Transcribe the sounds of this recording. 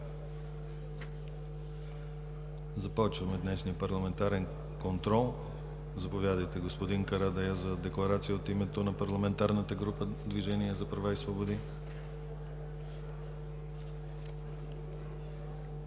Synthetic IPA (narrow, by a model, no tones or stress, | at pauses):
zɐpɔt͡ʃvəmɛd̪nɛʃnijəpɐɾlˠɐmɛnt̪aɾɛn | kont̪ɾɔlˠ | zɐpovʲjad̪əjt̪ɛɡospod̪iŋkɐɾad̪ɛjəzɐd̪ɛklˠɐɾat̪sijəot̪imɛt̪onɐpɐɾlˠɐmɛnt̪aɾnət̪əɡɾupəd̪viʒɛniɛzɐpɾɐvaisvobod̪i